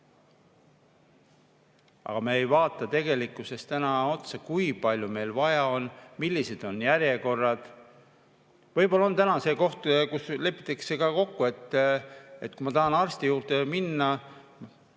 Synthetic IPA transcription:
ʔɑ̰ɡ̥ɑmeejvɑːt̪ːˑɑt̪e̞ɡe̞likːˑuse̞st̪ænɑo̞t̪sekujpɑlʲjume̞jlvɑjɑo̞nmilʲːise̞d̪̥o̞njæɾje̞ko̞rːɑd̪̥ | vɤjbo̞lːɑo̞nt̪ænɑse̞ːko̞ht̪kusle̞pːˑit̪ːˑeksekɑko̞kːue̞t̪ː | et̪̚ːkumɑt̪ɑɦɑnɑrst̪ijuːrt̪eminːɑ

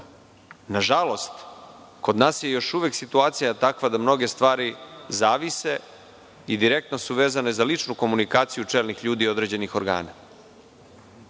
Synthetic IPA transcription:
naʒalo̞st̪ | ko̞d̪naːsje̞jo̞ʃuʋeksit̪uaːt̪sijat̪akʋad̪amno̞ɡe̞st̪ʋaːɾizaːʋise̞ | id̪iɾe̞k̚t̪no̞suʋe̞ːzanezalit͡ʃnuko̞munikaːt̪sijut͡ʂeːlnixʎuːd̪iːo̞d̪ɾe̞ːd͡ʑe̞nixo̞ɾɡa̰ːna

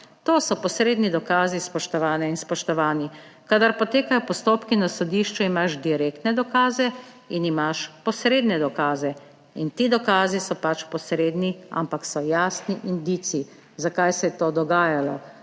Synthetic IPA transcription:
t̪oːsɔpɔsɾeːd̪nid̪ɔkaːzispɔʃt̪ɔʋaːnɛinspɔʃt̪ɔʋaːni | kad̪aɾpɔt̪eːkajɔpɔst̪oːpkinasɔd̪iːʃt͡ʃuimaʃd̪iɾeːkt̪nɛd̪ɔkaːzɛ | inimaʃpɔsɾeːd̪nɛd̪ɔkaːzɛ | int̪iːd̪ɔkaːzisɔpat͡ʃpɔsɾeːd̪nia̰mpaksɔjaːsniʔind̪iːsii | zakajsɛjɛt̪oːd̪ɔɡaːjalɔ

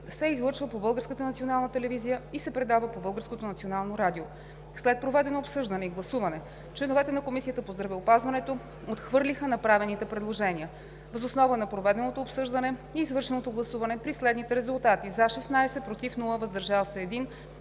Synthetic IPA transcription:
sɛizlˠɤɾt͡ʃvəpobɤlˠɡəɾskət̪ənɐt̪sionalˠnət̪ɛlɛvizijəisɛpɾɛd̪avəpobɤlˠɡəɾskot̪onɐt̪sionalˠnoɾad̪io | slɛt̪̚pɾovɛd̪ɛnoːpsɤʒd̪ɐnɛiɡlˠɐsuvɐnɛ | t͡ʃlɛnovɛt̪ɛnɐkomisiət̪əpozd̪ɾɐvɛopazvɐnɛt̪o | ot̪xvɤɾlʲixənɐpɾavɛnit̪ɛpɾɛd̪lˠoʒɛniə | vəzosnɔvənɐpɾovɛd̪ɛnot̪oːpsɤʒd̪ənɛiːzvɤɾʃɛnot̪oɡlˠɐsuvɐnɛpɾislɛd̪nit̪ɛɾɛzulˠt̪at̪izaʃɛsnajsɛpɾot̪ifnulˠəvɐzd̪ɐɾʒalˠsɛːd̪in

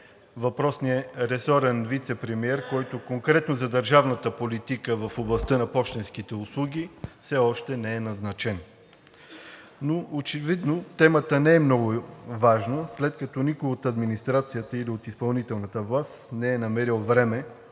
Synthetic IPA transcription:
vɐpɾɔsnijəɾɛsɔɾɛnvit̪sɛpɾɛmiɛɾkɔjt̪okoŋkɾɛt̪nozɐd̪əɾʒavnət̪əpolit̪ikəvɐfoblˠɐst̪ənɐpɔʃt̪ɛnsk̟it̪ɛʊslˠuɡʲifsɛɔʃt̪ɛnɛɛnɐznɐt͡ʃɛn | noot͡ʃɛvid̪not̪ɛmət̪ənɛɛmnɔɡʊvaʒnoslɛt̪kɐt̪ɔnikʊjot̪ɐd̪minist̪ɾat̪sijət̪əiliot̪ispɐlˠnit̪ɛlˠnɐt̪əvlˠast̪nɛɛnɐmɛɾilˠvɾɛmɛ

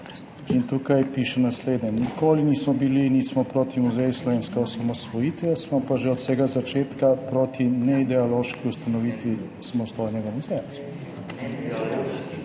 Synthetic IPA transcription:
int̪uːkajpiːʃɛnasleːd̪nɛnikoːliniːsmɔbilinit̪smɔpɾoːt̪imuzɛjuslɔʋeːnskɛɔsamɔsʋɔjiːt̪ʋjasmɔpaʒeɔt̪sɛːɡazat͡ʃeːt̪kapɾoːt̪inɛid̪ɛɔloʃkiust̪anɔʋiːt̪ʋi | samɔst̪ojnɛɡamuzɛja

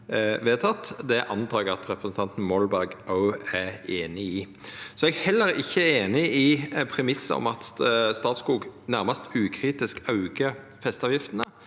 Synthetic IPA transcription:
ʋeːt̪ʰɑt̪ːd̪ɛʔɑnt̪ʰɑːɛɡɑt̪ɾɛpʰɾəsn̩t̪ʰɑnt̪n̩mɔlbæʁɡʔɑʉæeːnɪiː | sɔɛɡhɛlːəɾɪçːəeːnɪʔɪpʰɾɛmɪsːə̰ɔ̰mɑt̪st̪ɑːt̪skuːɡnæʁmɑst̪ʉːkʰɾiːt̪ɪskɑʉɡə | fɛst̪ɑːʋjɪft̪ənə

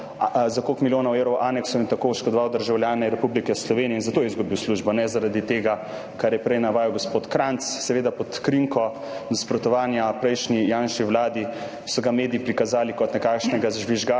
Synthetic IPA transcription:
zakoːkmiljoːnawewɾɔwʔaːnɛksɔint̪akoːuʃkɔd̪ɔʋawd̪əɾʒawljaːnɛɾɛpublikɛslɔʋeniɛinzat̪oːjɛizɡubiwsluʒbɔnɛzaɾad̪it̪eːɡa | kaɾjɛpɾɛjnaʋaːjɛwɡospoːt̪kɾant̪ssɛʋeːd̪apɔt̪kɾiŋkɔ | naspɾɔt̪ɔʋaːnjapɾɛjʃnijanʃiwlaːd̪i | sɔɡameːd̪iipɾikazaːlikɔt̪nɛkaːkʃnɛɡaʒʋiʒɡa

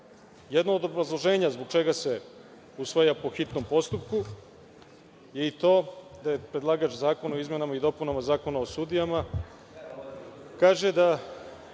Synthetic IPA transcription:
jed̪naoːd̪o̞bɾazlˠo̞ʒeːɲazbo̞ɡt͡ʃe̞ɡase̞ | usʋajapo̞xit̪no̞mpo̞st̪upku | je̞it̪o̞ːd̪ajepɾed̪lˠaːɡat͡ʃzaːko̞nao̞izme̞namaid̪o̞punamazaːko̞nao̞sud̪ijama | kaːʒe̞d̪a

